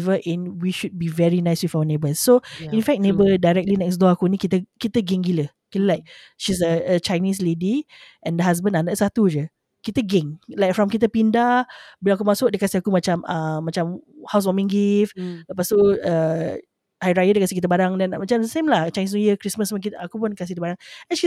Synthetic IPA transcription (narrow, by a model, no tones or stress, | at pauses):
vəʔɛ̃nwiʃud̚bivɛɹinajswifawənebəsːoĩnfɛk̚nebədajɹɛk̚tlinɛks̬dɔakunikit̪əkit̪əɡɛŋɡilə | kiləlajk̚ | ʃis̬əət͡ʃajnis̬lediʔɛ̃ndəɦas̬bə̃nandasat̪ud͡ʒə | kit̪əɡɛ̃ŋlajk̚fɹɔmkit̪̬əpindabəlaakumasʊk̚dəkasiakumat͡ʃaməmːat͡ʃamhaws̬wɔmĩŋɡifləpast̪uə | hajɾajədəkasikit̪̬əbaɾaŋdɛnmat͡ʃamdəsẽmlaht͡ʃajnisnujəkɾisməspunkit̪akupʊnkasikit̪əbaɾaŋɛt͡ʃi